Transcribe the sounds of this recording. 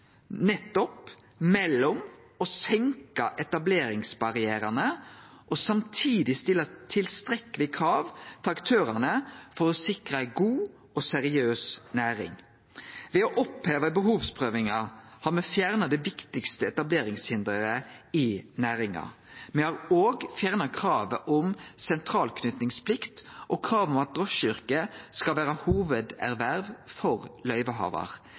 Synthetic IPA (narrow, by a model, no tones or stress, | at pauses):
nɛt̪ːɔp | mɛlːɔm | ɔsɛŋkɑʔɛt̪ɑbleːɾɪŋsbɑʁɪæːɾənəʔɔsɑmt̪ʰiːd̪ɪst̪ɪlːət̪ʰɪlst̪ɾɛkəlɪkʰɾɑːʋt̪ʰəɑkt̪ʰøːɾɑnəfɔʁɔsɪkɾəɪɡuː | ɔsɛɾɪøːsnæːɾɪ̰ŋ | ʋɛɔʔɔpheːʋəbəɦuːʋspʰʁøːʋɪŋɑhɑʁmɛfjæʁnɑd̪ɛʋɪkt̪ɪkst̪əɛt̪ɑbleːɾɪŋshɪnd̪ʁəʁəɪnæːɾɪŋɑ̰ | mɛhɑʁoːɡfjæːʁnɑkʰɾɑːʋəʔɔmsɛnt̪ʰɾɑːlkʰnʏt̪nɪŋspʰlɪkt̪ʔɔkʰɾɑːʋɔmɑt̪̚d̪ʁɔʃʏɾkəskɑlʋæːɾəhuːʋəd̪æʁʋæʁʋfɔʁlœʏʋəɦɑ̰ːʋɑ̰ʁ